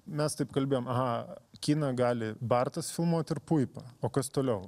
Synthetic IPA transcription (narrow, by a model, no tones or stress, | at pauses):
mʲɛst̪ɐɪpkɐlʲbʲeːjomɐɦɑkʲiːnɐɡɑːlʲɪbɐrt̪ɐsfʲɪlˠmuɔt̪ʲɪɾpuɪpɐoːkɐst̪oːlʲɛʊ